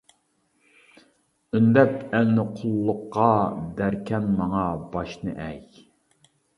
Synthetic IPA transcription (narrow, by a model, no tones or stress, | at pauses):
ynd̪ɛpælnɪqʰʊlˠːʊqːɑd̪æɾkʲʰɛnmɑŋɑbɑʃnɨ̰ʔɛj